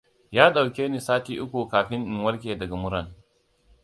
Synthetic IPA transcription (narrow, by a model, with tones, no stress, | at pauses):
jaː˦ɗa˨wkʲeː˦niː˨saː˦tiː˦ʔʊ˦kʷu˨kaː˨ɸɪ˦nɗɪ˨ŋwɐ˦lkʲeː˨dɐ˨ɡa˨mʊ˦ɾɐ˨n